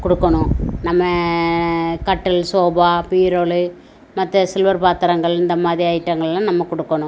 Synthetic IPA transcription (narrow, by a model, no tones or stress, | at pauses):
kɔɽɯkːɐɳʊ̃nɐmːɐ | kɐʈːɐlsoːbaːpiːɾoːɭɯ | mɐt̪ːɐsɪlʋɐɾpaːt̪ɐɾɐŋɡɐɭɪnd̪ɐmaːðɾiɐjɪʈːɐŋɡɐɭlːãːnɐmːɐkɔɽɯkːɐɳʊ̃